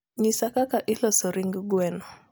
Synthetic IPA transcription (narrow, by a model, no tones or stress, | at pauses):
ɲisakakaʔilɔsɔɾiŋɡɡwɛnɔ